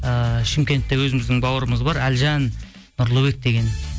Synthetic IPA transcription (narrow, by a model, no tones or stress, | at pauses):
əʃɪmkʲe̞nt̪ːewɵzɪmɪzd̪ɪŋbɑwəɾəməzbɑɾælʒɑnː | ʊɾlˠubek̚d̪e̞ɡʲe̞n